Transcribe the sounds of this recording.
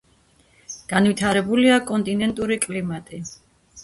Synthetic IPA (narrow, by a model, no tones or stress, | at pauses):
ɡ̥anvit̪ʰaɾɛbuliakʼɔnt̪ʼinɛnt̪ʼuɾikʼlimat̪ʼi